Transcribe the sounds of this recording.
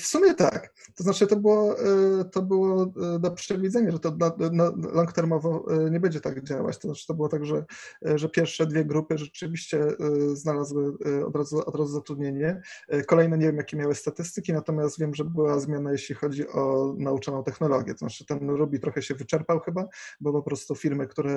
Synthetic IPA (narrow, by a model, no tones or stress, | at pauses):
fsumʲjɛt̪a̰kt̪ɔznat͡ʂɨt̪ɔbɘwɔt̪ɔbɘwɔd̪ɔpʂt͡ɕɛɡ̪ɔvʲid̪zɛɲaʐɛt̪ɔanalɔŋkt̪ɛɾmɔvɔɲɛbɛɲd͡ʑɛt̪aɡd͡ʑawa̰t͡ɕt̪ɔznat͡ʂɘ̥t̪ɔbɘwɔt̪aɡʐɛ | ʐɛpʲjɛɾfʂɛd̪vʲjɛɡɾupɘʐɛt͡ʂɘvʲiɕt͡ɕɛznalazwɘɔ̰d̪ɾazuɔ̰d̪ɾazuzat̪ɾud̪ɲeɲɛkɔlɛjnɛɲɛvʲjemjakʲɛmʲjawɘst̪at̪ɘst̪ɘkʲinat̪ɔmʲjast̪vʲjɛmʐɛbɘwazmʲjanajeɕlʲixɔd͡ʑiʔɔnaut͡ʂanɔ̃w̃t̪ɛxnɔlɔɡʲjɛ̰t̪ɔznat͡ʂɘt̪ɛnɾubʲit̪ɾɔxɛɕɛvɘt͡ʂɛɾpawxɘbabɔpɔpɾɔst̪ufʲiɾmɘkt̪uɾɛ